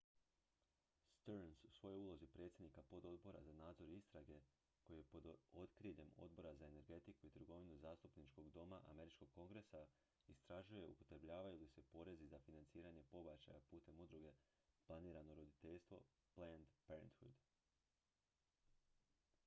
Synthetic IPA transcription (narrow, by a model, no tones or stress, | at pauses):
st̪eɾnsu̥sʋo̞jouːlˠo̞zipɾe̞ːt̪sje̞d̪nikapo̞d̪o̞d̪bo̞ɾa̰zanaːd̪zo̞ɾist̪ɾaɡe̞ | ko̞jeepod̪o̞t̪kɾiʎe̞mo̞̰d̪̚bo̞ɾazae̞ne̞ɾɡe̞t̪ikuit̪ɾ̩ɡo̞ʋinuzaːst̪upnit͡ʃko̞ɡd̪o̞maʔa̰me̞ɾit͡ʃko̞ɡ̥̚ko̞ŋɡɾe̞sa | ist̪ɾaʒuje̞upo̞̥t̪ɾebʎaːʋajulise̞po̞ɾe̞zizafinant̪siːɾaɲe̞po̞bat͡ɕa̰japuːt̪e̞mud̪ɾuɡe̞ | plˠaniːɾano̞ɾo̞d̪it̪e̞ʎst̪ʋo̞̰ | plend̪peɾent̪fud̪